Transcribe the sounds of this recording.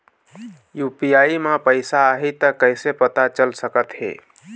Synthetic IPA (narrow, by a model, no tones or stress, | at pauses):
jupijaimapəɪsaəɦit̪əkəɪsepət̪at͡ʃəlsəkət̪ɦḛ